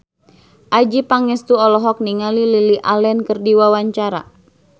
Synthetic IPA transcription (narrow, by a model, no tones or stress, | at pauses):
ʔad͡ʒipaŋɛst̪uɔlɔɦɔk̚niŋalililiʔalɛnkərdiwawaɲt͡ʃaɾa̰